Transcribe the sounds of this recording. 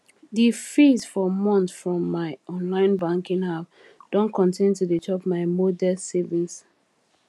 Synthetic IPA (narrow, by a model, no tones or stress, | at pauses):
difisfɔmɔ̃nfɹɔ̃mːaɪʔɔ̃nlãɪ̃nbãŋkĩŋhaf | d̥õnkʰɔ̃ntĩntuditʰɔpmaɪmodɛsɛvis